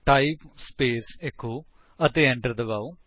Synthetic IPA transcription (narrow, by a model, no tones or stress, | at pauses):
ʈaipspeːsekʰːo | ɐt̪eːɐ̃ɳʈəɾd̪ɐbau